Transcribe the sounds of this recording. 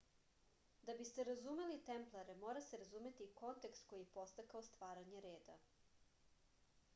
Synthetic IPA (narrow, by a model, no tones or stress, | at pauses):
d̪abist̪eɾazumelit̪emplˠaɾemoːɾaseɾazume̞t̪iko̞nt̪e̞kst̪ko̞jipo̞st̪akaost̪ʋaːɾaɲeɾe̞ːd̪a̰